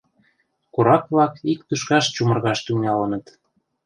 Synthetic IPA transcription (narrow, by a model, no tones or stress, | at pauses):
koɾɑkβlɑkik̚t̪yʃkɑʃt͡ɕumɤ̆rɣɑʃt̪yŋɑlɤnə̆t̪